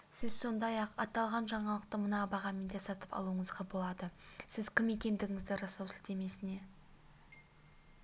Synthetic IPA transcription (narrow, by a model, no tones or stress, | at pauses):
sɪzso̞nd̪ɑjɑqɑt̪ɑlˠʁɑnʒɑɴɑlˠəq̚t̪əmənɑbɑʁɑmɪnd̪esɑt̪əpɑ̰lˠuəɴəzʁɑbo̞lˠɑd̪əsɪzkʲʰɪme̞kʲe̞nd̪ɪɡʲɪŋɪzd̪ɪɾɑsɑwsɪlt̪e̞me̞sɪne̞